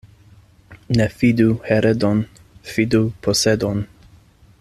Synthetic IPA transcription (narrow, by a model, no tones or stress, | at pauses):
nefid̪uheɾed̪on | fid̪upʰosed̪on